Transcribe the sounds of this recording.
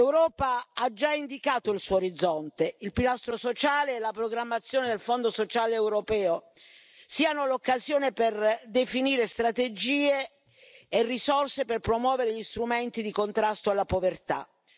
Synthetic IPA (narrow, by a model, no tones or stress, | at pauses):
ewɾɔːpaad͡ʒːaind̪ikaːt̪oilsuooɾid̪zːɔnt̪eilpilast̪ɾosot͡ʃaːleɛlapɾoɡɾamːat̪sːjoːned̪elfond̪osot͡ʃaːleːwɾopɛːo | siːanolokːazjoːneperd̪efiniːɾest̪ɾat̪ed͡ʒiːeː | rːisɔrseperpɾomwɔːveɾeʎist̪ɾument̪id̪ikont̪ɾast̪oalːapovert̪a̰